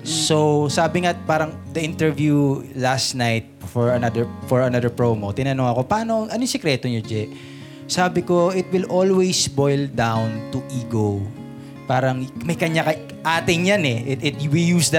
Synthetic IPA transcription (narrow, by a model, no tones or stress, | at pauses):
sowsaːbɪŋapaːɾɐŋ | d̪ɐʔɪnt̪ɛɹvjulast̪najt̪̚fɔɹɐnɐd̪ɛɹfɔɹɐnɐd̪ɛɹpɹomot̪ɪnɐnoŋɐko̞pɐaːno̞ʔɐnojsɛkɾɛt̪oɲod͡ʒɛʔ | saːbɪkoɪt̪̚wɪlʔolwejsbojld̪awnt̪uʔiːɡo | paːɾɐŋmɐjkɐɲakɐ | ʔaːt̪ɪŋjanɛʔɛt̪ʔɪt̪̚jwɪljuːsd̪ɐ